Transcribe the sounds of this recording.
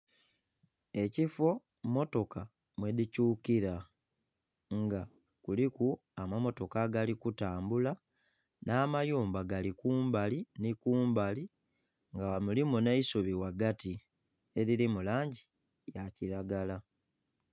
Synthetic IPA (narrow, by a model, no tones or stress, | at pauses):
e̞cifo̞ | mo̞to̞ka | mwe̞dicuːkiɾa | ŋɡa | kuliku | amamo̞to̞kaɡalikutaːmbula | naːmajuːmbaɡalikuːmbalinikuːmbali | ŋɡaamulimuneisuβiwaɡati | e̞ɾilimulaːɲɟi | jaciɾaɡala